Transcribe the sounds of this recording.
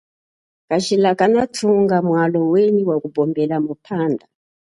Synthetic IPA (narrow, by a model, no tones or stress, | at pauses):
kat͡ʃilakanatʰuŋɡamwaloweniwakubʱɔmbelamupʰaːnda